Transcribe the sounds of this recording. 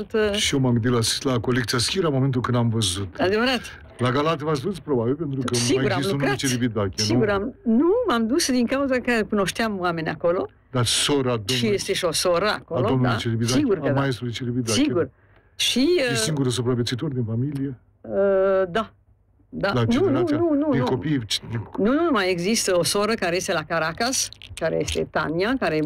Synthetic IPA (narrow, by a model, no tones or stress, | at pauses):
alt̪ʃiomaɡɨnd̪ilaslako̞lek̚t̪siaskʲiɾamo̞ment̪ulkɨnd̪amvəzut̪ad̪evəɾat̪ | laɡalat̪əvas̬puspɾobabilpent̪ɾukəmiɡauɾaisunet͡ʃeɾivit̪akʲesniuɡuɾamnumamd̪usd̪iŋkawzəkəkuno̞ʃt̪eamwame̞nʲako̞lo̞ | d̪asoɾad̪oʃijest̪eʃosoɾəa̰koadoomnulet͡ʃeɾibit̪iɡurkmajest̪ulit͡ʃeɾivit̪asieɡur | ʃisiŋɡuɾes̬əpɾavet̪sit̪orʲd̪infamilie | əd̪a | d̪ad̪anuanunud̪ikopijt͡ʃd̪inunumajeɡzist̪əosoɾəkaɾejest̪elakaɾakaskaɾḛjest̪et̪a̰niakaɾe